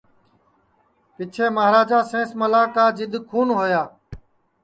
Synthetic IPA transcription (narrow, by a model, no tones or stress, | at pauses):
pɪt͡ʃʰeːməɦɾaːd͡ʒaːsẽːsməlaːkaːd͡ʒɪd̪kʰuːnɦoːjaː